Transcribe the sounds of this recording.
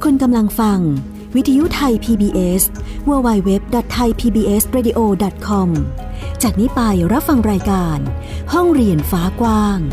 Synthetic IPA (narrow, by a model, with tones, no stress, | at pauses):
kʰo˧nka˧mla˧ŋfa˧ŋ | wi˦˥t̪ʰa˧ju˦˥t̪ʰa˧jpʰiː˧biː˧ʔe˦˥swuː˧wa˧jwe˦˥p̚dɔ˨˩t̪ʰːa˧jpʰiː˧biː˧ʔe˦˥sɾeː˧diː˧ʔoː˧dɔ˨˩t̪̚kʰɔ˧m | t͡ɕaː˨˩k̚niː˦˥pa˧jɾa˦˥p̚fa˧ŋɾaː˧jkaː˧nhɔ˥˩ŋɾi˧˩ənfaː˨˦˥kwaː˧˥˩ŋ